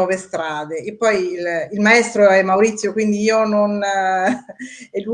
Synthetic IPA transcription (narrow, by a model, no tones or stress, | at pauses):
ɔːvest̪ɾaːd̪eːpːɔjlilmaɛst̪ɾoɛmːauɾit̪sːjokwind̪iiːonon | ɛlu